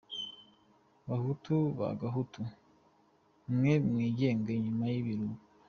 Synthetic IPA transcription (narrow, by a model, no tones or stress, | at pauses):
βahutuβa̰ɡaɦutu | mŋe̞mŋiːɟe̞ːŋɡeɲumajiβiɾuɡu